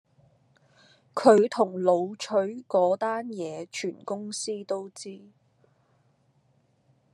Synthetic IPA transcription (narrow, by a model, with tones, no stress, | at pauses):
kʰɵ˨˧ɥt̪ʰʊ˨˩ŋlo˨˧wt͡ʃʰɵ˨˥ɥkɔː˨˥t̪aː˥njɛː˨˧t͡ʃʰyː˨˩nkʊ˥ŋsiː˥t̪o˥wt͡siː˥